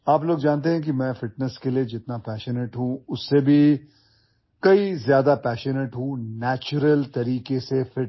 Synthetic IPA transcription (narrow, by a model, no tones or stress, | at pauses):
aːploːɡd͡ʒaːnt̪̬eɦɛ̃k̬imɛ̃ːfɪʈnəskelied͡ʒɪt̪napɛːʃənəʈɦũʊsːebʱi | kɐizjaːd̪apɛːʃənəʈɦũnɛːt͡ʃʊɾəlt̪ɐɾiːkesefɪʈ